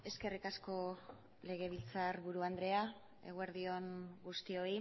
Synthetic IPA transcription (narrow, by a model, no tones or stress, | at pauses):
e̞ske̞rikasko̞ | le̞ɣe̞βilt͡saɾβuɾuand̪ɾe̞a | e̞̰ɣ̞ueɾðio̞ŋɡust̪io̞i